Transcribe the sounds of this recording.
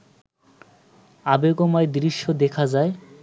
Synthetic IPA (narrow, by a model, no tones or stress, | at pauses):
abeɡomaed̪ɾiʃːod̪ekʰad͡ʑae